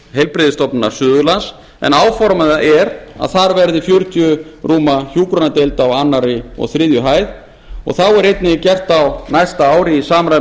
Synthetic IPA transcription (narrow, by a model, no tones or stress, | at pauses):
ɦejlpɾɪðɪst̪ɔpnɪnaɾ̥sʏːðʏlans | ɛ̰naːwfɔɾmaðaʔɛɾa̰ðθaɾvɛɾðɪfjœɾ̥t̪jʏruːmaçjuːkɾɔnat̪elt̪awanːaɾɪɔ̰ɣθɾɪːðjʏɦaːjð | ɔ̰ɣθawɛɾejt̪nɪcɛr̥t̪awnajst̪aaːwɾɪisaːmɾaj